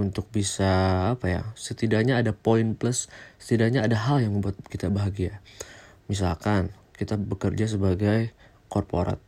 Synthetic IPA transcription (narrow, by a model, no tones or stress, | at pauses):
unt̪ʊk̚bisaːpaja̰sət̪idaʔɲaːdapoinpləsə̥t̪idaɲaːdaɦaljaŋməmbuat̪̚kit̪abaɦaɡia | mis̬alkan | kit̪abəkərd͡ʒas̬əbaɡaj | kɔrpo̰ɾʔa̰t̪̚